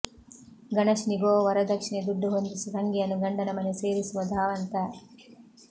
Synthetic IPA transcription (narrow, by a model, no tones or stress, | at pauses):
ɡɐɳɐʂniɡoːʋɐɾɐd̪ɐkʂɳed̪uɖːuɦond̪isusɐŋɡijɐnːuɡɐɳɖɐnɐmɐneseːɾisuʋɐd̪ʱaːʋɐnt̪ɐ